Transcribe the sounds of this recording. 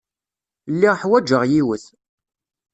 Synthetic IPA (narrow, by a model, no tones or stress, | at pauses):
lːiʁħwæd͡ʒəʁjiwəθ